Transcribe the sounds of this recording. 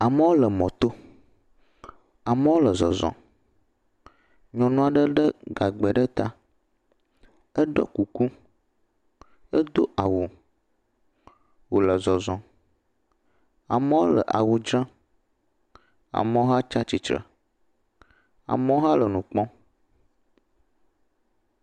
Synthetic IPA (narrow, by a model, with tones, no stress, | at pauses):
a˨mə˦wo˦lə˨mɔ̃˨t̪o˦ | a˨mə˦wo˦lə˨zɔ̰˨zɔ̰̃˨ | ɲɔ̃˨nũ˨a˨ɖə˦ɖə˦ɡa˨ɡ͡bɛ˨ɖə˦t̪a˦ | ə˦ɖɔ̰˦ku˨ku˦ | ə˦d̪o˦a˨wu˨ | wo˨lə˨zɔ˨zɔ̃˨ | a̰˨mə˦wo˦lə̰˨ʔa˨wu˨d͡ʒɾã˦ | a̰˨mə˦wo˦ɦa˦t͡ʃa˦t͡ɕi˨t͡ʃɾə̰˨ | a̰˨mə˦o˦ɦa˦lə˨nũ˨k͡pɔ̃˦